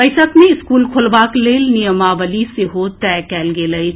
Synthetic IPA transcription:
pəɪsəkmeɪskuːlkʰolbaːkleːlnijəmaʋəliseɦot̪ɛkɛːlɡeːləj

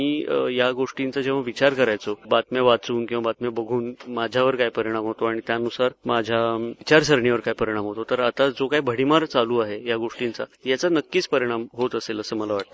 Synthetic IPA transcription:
ijaɡoʂʈint͡sad͡ʑẽʋ̤aʋit͡ɕaɾkəɾajt͡sobat̪mɛʋat͡suːnkĩw̃ʋabat̪mɛbəɡʱuːnmad͡ʑʱjaʋəɾkaɦjpəɾiɽ̃amɦot̪oaɽ̃it̪janusaɾmad͡ʑʱaʋit͡ɕaɾsəɾɳjiʋəɾkaɦipəɾiɽ̃amɦot̪ot̪əɾat̪ad͡zokaɦibʱəɽ̤imaɾt͡saluːaɦejaɡoʂʈint͡sa̰jat͡sanəkːiːt͡spəɾiɽ̃amɦot̪əseləsəməlaʋaʈ̚t̪ə

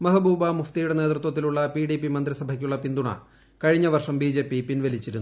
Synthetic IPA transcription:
mɐɦɐbuːbɐmuft̪ijuɽe̞ne̞ːd̪rut̪wɐt̪ːiluɭːɐpiɖipːimɐnd̪ɾisɐbʱɐkʲːuɭːɐpind̪uɳɐ̰ | kɐɻiɲːɐʋɐrʂɐmbiːd͡ʑe̞ːpːipinʋɐlit͡ɕːiɾunːu

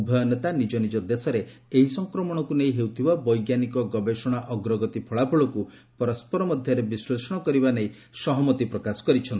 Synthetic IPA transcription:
ubʱɔjɔnet̪anid͡ʒɔnid͡ʒɔd̪esɔɾeeɦisɔŋkɾɔmɔɽ̃ɔkuneĩɦewt̪ʰibabɔjɡjanikɔɡɔbesɔɽ̃aʔɔɡɾɔɡɔt̪ipʰɔɭapʰɔɭɔku | pɔɾɔspɔɾɔmɔd̪ʱjɔɾebislesɔɽ̃ɔkɔɾibanei | sɔɦɔmɔt̪ipɾɔkasɔ̥kɔɾit͡ʃʰɔnt̪i

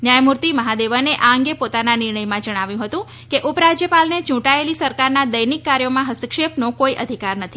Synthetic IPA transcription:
njajmuɾt̪iməɦad̪eʋəneʔaəŋɡepot̪ananɪɾɳəjmãd͡ʒəɽ̃aʋjũɦət̪ũ | keʔupɾad͡ʒjəpalnet͡ʃũʈaelisəɾkaɾnad̪əjnikːaɾjomãɦəst̪əkʃepnokoiʔəd̪ʱikaɾnət̪ʰi

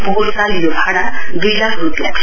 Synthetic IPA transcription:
bɔɦut̪kaljobʱaɽ̃ad̪ujlakʰɾupja̰k

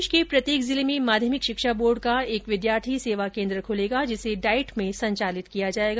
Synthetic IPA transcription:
ʃkepɾɐt̪jeːkzɪlemẽmaːd̪ʱjəmɪkʃɪkʃaboːɾɖkaeːkʋɪd̪jaːɾt̪ʰiseːʋakẽːnd̪ɾəkʰʊleːɡad͡ʒɪseɖaːɪʈmẽsɐ̃ɲt͡ʃaːlɪt̪kijad͡ʒaːeːɡa

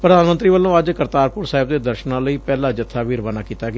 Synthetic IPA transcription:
pɾəd̪aːnmənt̪ɾiːʋəlːõːəd͡ʒkəɾt̪aːɾpʊɾsaːɦɪb̚d̪eːd̪əɾʃnãːləiːpɛːlãːd͡ʒət̪ʰːaːʋiːɾəʋaːnaːkiːt̪aːɡe

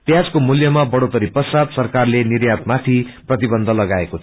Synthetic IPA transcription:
pjad͡zkomuljʌmabʌɽot̪ʌɾipʌsat̪sʌrkarlenirjat̪mat̪ʰiprʌt̪ibʌnd̪ʱʌlʌɡaeko

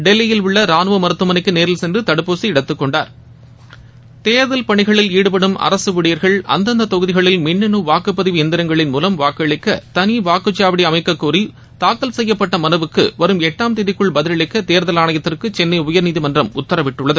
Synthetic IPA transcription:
ɖɛlːɪjɪlʊɭːɐɾaːnɯʋɐmɐɾɯt̪ːɯmɐnɪkːɯneːɾɪlsɛndrɯt̪ɐɽɯpːoːsiɪɽɐt̪ːɯkːɔɳɖaːɾ | t̪eːɾðɐlpɐɳɪɣɐɭɪliːɽɯp̬ɐɽɯmɐ̰ɾɐsɯʋɪɽijɐɾɣɐɭɐ̰nd̪ɐnd̪ɐt̪ɔɣɯðɪɣɐɭɪlmɪɳːɛnɯʋaːkɯpːɐðɪʋiɛnd̪ɪɾɐŋɡɐɭɪnmuːlɐmʋaːkɐɭɪkːɐt̪ɐniʋaːkɯt͡ʃːaːʋɐɽiɐmɐɪkːɐkːuːɾi | t̪aːkːɐlsɛjːɐpːɐʈːɐmɐnɐʋɯkːɯʋɐɾɯmɛʈːaːmt̪eːðɪkːɯɭbɐðɪlɐɭɪkːɐt̪eːɾðɐlaːɳɐjɐt̪ːɪrkɯt͡ʃɛnːɐɪʊjɐɾniːðimɐndrɐmʊt̪ːɐɾɐʋɪʈːɯɭːɐðɯ

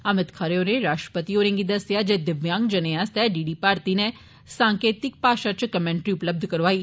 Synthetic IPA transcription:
əmɪt̪kʰaɾeoːneɾaːʃʈɾə̥pət̪iːoːɾẽŋɡiːd̪əsɪjaːd͡ʒed̪ɪʋjãːŋɡd͡ʒəneast̪ɛːɖiːɖiːpaːɾt̪iːne | sãːŋkeːt̪ɪk̚paːʃat͡ʃkəmɛ̃ːɳʈɾiːʊpləb̚d̪ʱkəɾʋaːiː

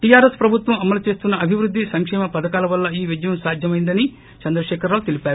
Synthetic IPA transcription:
ʈijaːɾespɾɐbʱut̪ʋɐmɐmɐlut͡ʃe̞ːst̪unːɐɐbʱiʋɾud̪ːisɐŋkʂɛːmɐpɐd̪ɐkaːlɐʋɐlːɐiːʋid͡ʒ̪ɐjɐmsaːd̪ʱjɐmɐjind̪ɐni | t͡ʃɐnd̪ɾɐʃɛːkɐɾaːlut̪elipaːɾu

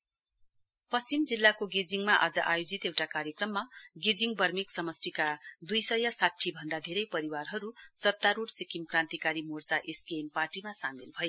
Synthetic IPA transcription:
pʌst͡simd͡zilːakoɡed͡ziŋmaʔʌd͡zʌʔajod͡zit̪ewʈakaɾjekrʌmːaɡed͡ziŋbʌrmiksʌmʌsʈʰikad̪ujsʌjʌsatʰːibʱʌnd̪ad̪ʱeɾʌjpʌɾiwarɦʌɾusʌt̪aɾuɽsikimkrãnt̪ikaɾimort͡saʔesɡemparʈimasamilbʱʌje

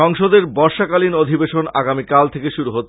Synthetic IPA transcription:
ɔŋʃod̪eɾbɔɾʃakalinod̪ʱibeʃona̰ɡamikalt̪ʰekeʃuɾuɦotːʰ

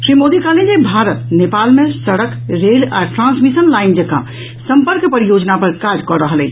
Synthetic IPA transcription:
ʃɾimod̪ikaled͡ʒebʱaɾət̪nepalmesəɽəkɾela̰ʈɾãnsmisənlaind͡ʒekã̰ | səmpəɾkpəɾijod͡ʒnapəɾkad͡ʒkɔɾəɦəlɛt͡ʃʰ

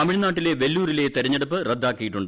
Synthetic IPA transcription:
ɐmiɻnaːʈːileʋelːuːɾile̞ːt̪eɾɐɲːeɽupːɨred̪ːaːkːijiʈːuɳɖɨ

